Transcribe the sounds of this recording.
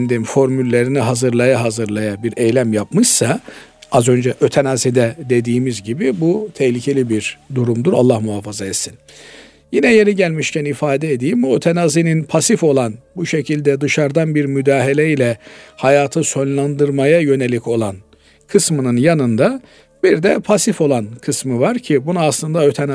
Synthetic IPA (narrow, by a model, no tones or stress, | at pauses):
nd̪imfo̞ɾmylʲːe̞ɾiniɦazɯɾlˠajaɦazɯɾlˠajabiɾɛjlʲæmjapmɯʃsaazø̞nd͡ʒɛʔøt̪ʰenazid̪ɛd̪e̞d̪iːmizɟibibut̪ʰɛhlʲicʰe̞lʲibiɾd̪uɾumd̪uɾa̰lˠːahmuɦafazaɛt̪sin | jinɛje̞ɾiɟælʲmiʃcʰænifaːd̪ɛed̪ijimbuøt̪ʰenazininpʰasifo̞lˠanbuʃe̞cʰilʲd̪ɛd̪ɯʃaɾd̪anbiɾmyd̪aːɦilʲɛilʲɛhajaːt̪ʰɯso̞nlˠand̪ɯɾmajajø̞ne̞lʲicʰo̞lˠan | kʰɯsmɯnɯnjanɯnd̪a | b̥iɾd̪ɛpʰasifo̞lˠankʰɯsmɯvaɾcʰibunaːslˠɯnd̪aøt̪ʰɛna